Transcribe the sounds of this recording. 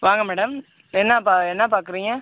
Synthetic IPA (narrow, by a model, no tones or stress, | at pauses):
ʋaːŋɡɐmɛːɽɐm | ɛnːɐpaɛnːɐpaːɾkɯɾiːŋɡɐ